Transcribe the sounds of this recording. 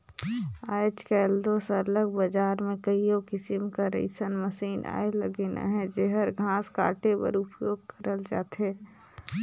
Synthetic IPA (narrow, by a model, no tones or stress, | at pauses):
aːt͡ʃkeld̪oːsləɡ̚bɐd͡ʒaːɾmẽkəijokɪsɪmkaɾḛɪsənməsiːna̰ːelə̰ɡeːna̰ɦɛ̃d͡ʒeɦəɾɡʱãːska̰ːʈepɐ̰ɾʊpjoːɡ̚kəɾəld͡ʒa̰ːt̪ɦɛː